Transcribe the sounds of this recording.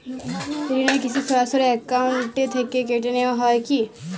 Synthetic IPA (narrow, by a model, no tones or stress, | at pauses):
piɾinɔekit͡ʃʰisasɔɾeekawɳʈet̪ʰekekeʈeneɔɦɔeki